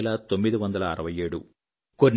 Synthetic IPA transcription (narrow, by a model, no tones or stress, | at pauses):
lɐt̪o̞mːid̪iʋɐnd̪ɐlɐːɾɐʋɐjeːɽu | ko̞nː